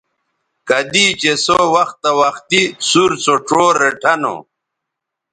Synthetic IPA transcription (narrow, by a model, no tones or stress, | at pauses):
kɐd̪it͡ɕesowɐxt̪ɐwɐxt̪isuɾt͡soʈ͡ʂoːɾeʈʰɐno̰